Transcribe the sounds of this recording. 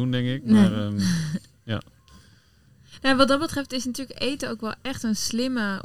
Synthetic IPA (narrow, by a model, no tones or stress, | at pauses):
undɛŋkɪk̚narə | ja̰ | nojaʋɑt̚dɔt̚bətrɛftɪsnatyːləkejtəowkʋɛlˠɛxtənslɪmə